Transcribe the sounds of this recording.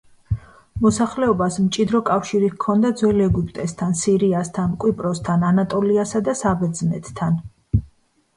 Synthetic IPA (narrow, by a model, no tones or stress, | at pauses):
mɔsaχlɛɔbasmt͡ʃʼid̪ɾɔkʼafʃiɾikʰɔnd̪ad̪zwɛlɛɡupʼt̪ʼɛst̪ʰansiɾiast̪ʰankʼwipʼɾɔst̪ʰananat̪ʼɔliasad̪asabɛd̪znɛt̪ʰt̪ʰan